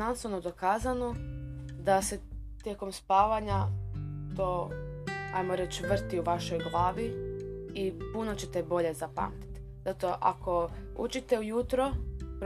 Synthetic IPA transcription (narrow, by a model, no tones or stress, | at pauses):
ansonod̪o̞kaːzanod̪ase̞t̪jeko̞mspaːʋaɲat̪oː | a̰jmoɾet͡ɕʋr̩t̪iuʋaʃo̞jɡlˠaːʋi | ipunot͡ɕe̞t̪e̞bo̞ʎe̞zapa̰mt̪i̥t̪zat̪o̞ʔa̰ko̞ṵt͡ʃit̪e̞ujut̪ɾop